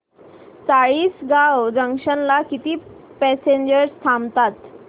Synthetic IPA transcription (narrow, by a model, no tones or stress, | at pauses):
t͡saɭiːsɡawd͡zəŋʂənlakit̪iː | pɛseɲd͡ʑəɾst̪ʰamt̪at̪